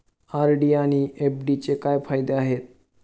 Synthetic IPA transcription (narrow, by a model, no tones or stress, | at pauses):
aɾɖiaɽ̃iʔepɖit͡ɕekajfajd̪eaɦet̪̚